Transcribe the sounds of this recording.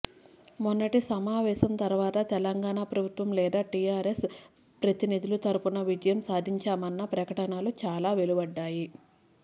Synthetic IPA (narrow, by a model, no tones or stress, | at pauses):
munːɐʈisɐmaːʋɛːsɐmt̪ɐɾʋaːt̪ɐt̪ɛlɐŋɡaːɳapɾɐbʱut̪ʋɐmlɛːd̪aːʈijaːɾes | pɾɐt̪inid̪ʱulut̪ɐɾupunɐʋid͡ʒɐjɐmsaːd̪ʱiɲt͡ʃaːmɐnːɐpɾɐkɐʈɐnaːlut͡ʃaːlaːʋe̞lubɐɖːaːji